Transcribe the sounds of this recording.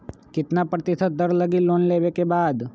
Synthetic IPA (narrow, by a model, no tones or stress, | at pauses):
kɪt̪napɾət̪ɪsət̪̚d̪əɾləɡiloːnleːʋekebaːd̪